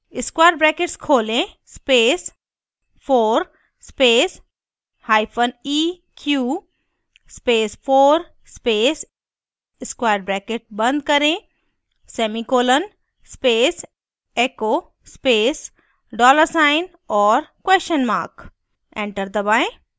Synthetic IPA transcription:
ɪskwaːjɾɖbɾɛːkeʈskʰoːlẽ | speːs | pʰoːɾ | speːs | haːɪpʰəniː | kʰjuː | speːspʰoːɾ | speːs | ɪskwaːjɾɖbɾɛːkeʈ̚bɐ̃nd̪̚kɐɾẽ | sɛːmikoːlən | speːs | eːkoː | speːs | ɖɔːləɾsaːɪn | ɔːɾkweːʃənma̰ːɾk | ẽːɳʈəɾd̪əbaːẽ

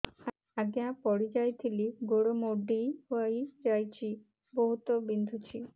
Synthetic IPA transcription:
aɡeãpɔɽid͡ʒajt̪ʰiliɡoɽomoɖihoajd͡ʒajt͡ɕʰi | boɦut̪ɔbind̪ʱut͡ɕʰi

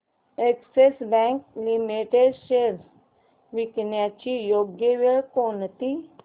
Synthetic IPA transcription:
eksesbɛ̃ŋklimiʈeɖʃeɾ | ʋiknjat͡ɕijoɡjəʋeɭkont̪i

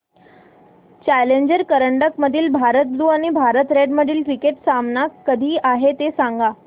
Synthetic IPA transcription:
t͡ɕæleɲd͡ʑəɾkəɾəɳɖəkməd̪ʱiːlbʱaɾət̪luːaɽ̃ibʱaɾət̪ɾeɖməd̪ʱiːlkɾikeʈsamnakːəd̪ʱiːaɦet̪esaŋɡa

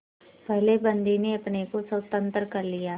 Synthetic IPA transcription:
pɐɦlebɐ̃nd̪ineɐpnekosɐʊt̪ə̃nt̪əɾkɐɾlijaː

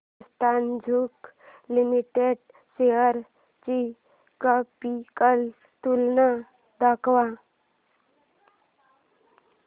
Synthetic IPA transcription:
st̪and͡ʒʱuk | limiʈeɖ | seəɾ | t͡ʃi | kapikəl | t̪ulna | d̪akʋa

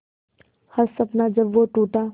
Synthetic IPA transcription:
hɐɾsɐpnad͡ʒɐbʋoʈuːʈa

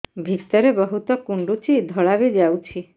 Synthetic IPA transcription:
bʱit̪ɔɾebɔɦut̪ɔkuɳɖut͡ʃid̪ʱɔɭabid͡ʒawt͡ʃʰi

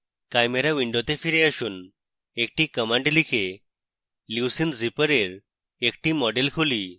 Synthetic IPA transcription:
kajmeɾaʋiɳɖot̪efiɾeəɕuːn | ek̚ʈikəmãɳɖlikʰe | lusind͡zipəɾeɾ | ekʈimɔɖelkʰoli

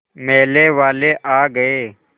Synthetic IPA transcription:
meːleːʋaːleːʔaːɡəeː

